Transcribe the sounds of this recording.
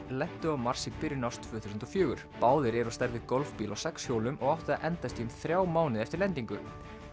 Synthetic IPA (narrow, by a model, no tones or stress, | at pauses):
lɛn̥t̪ʏawmaɾ̥sɪpɪɾɪnawst̪ʰvœːθusʏnt̪ɔfjœːɣʏɾ̥paːwðɪɾɛɾɔst̪ɛɾðɪkɔlfpiːlawsɛkshjoːwlʏmɔɣawht̪ʏðaʔɛnt̪ast̪iʏmθɾjaːwmaːwnɪðɛft̪ɪɾlɛnt̪iŋkʏ